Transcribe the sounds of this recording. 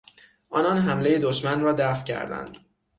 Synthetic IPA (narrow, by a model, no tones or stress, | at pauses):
ʔɒːnɒnɦæmle̞jed̪oʃmænrɒːd̪æfcʰæ̰ɾd̪æ̰nd̪̥